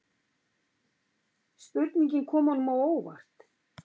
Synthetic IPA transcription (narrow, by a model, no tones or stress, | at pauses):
spʏt̪niɲcɪnkʰɔːmhɔnːʏmawoːwva̰r̥t̪